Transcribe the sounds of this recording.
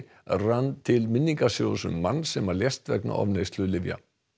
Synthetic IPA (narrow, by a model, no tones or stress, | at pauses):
rant̪ʰɪlmɪnːiŋkasjowðasʏmːanːsɛmaljɛst̪vɛkna̰ʔɔ̰vnejst̪lʏðlɪvja̰